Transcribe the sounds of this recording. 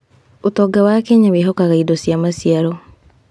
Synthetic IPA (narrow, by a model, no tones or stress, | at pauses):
otɔɡawakeɲaweɦɔkaɣaidɔsjamasiaɾɔ